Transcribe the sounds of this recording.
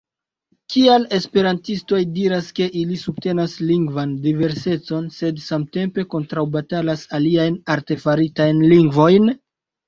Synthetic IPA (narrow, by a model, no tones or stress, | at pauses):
kʰiale̞spe̞ɾantisto̞jdiɾaske̞ʔilisub̚te̞nasliŋɡvandive̞ɾse̞t͡so̞nse̞dsamte̞mpe̞ko̞ntɾawbatalasaliajnaɾte̞faɾitajnliŋɡvo̞jn